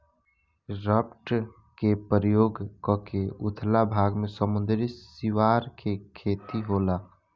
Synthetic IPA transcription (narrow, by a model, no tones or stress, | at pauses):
ɾəpʈ | kepəɾjoːɡkɔkeʊt̪ʰlabʱaːɡmẽsəmʊ̃nd̪ɾisiʋaːɾkʰekʰeːt̪iɦoːlaː